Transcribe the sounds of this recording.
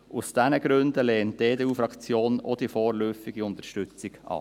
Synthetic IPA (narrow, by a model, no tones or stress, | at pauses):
ʔusd̥ɛnəɡɾʉndəleːnt̚d̥eːdeːuːfɾɑkt͡sjoːnod̥̪ifɔːɾløːfɪɡiʊnt̪əʃtʏt͡sɪɡʔɑ̰ː